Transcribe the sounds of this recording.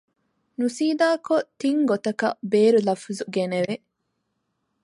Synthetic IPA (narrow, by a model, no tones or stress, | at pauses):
nusiːd̪aːkot̪iŋɡot̪ɐkɐ̰beːɾulɐfuzuɡeneʋe